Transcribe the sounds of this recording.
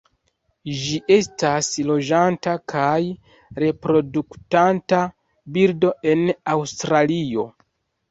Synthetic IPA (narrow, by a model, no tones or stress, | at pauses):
d͡ʒiʔe̞staslo̞d͡ʒantakʰaj | ɾe̞pɾo̞duktanta | biɾdo̞e̞nawstɾalio̞̰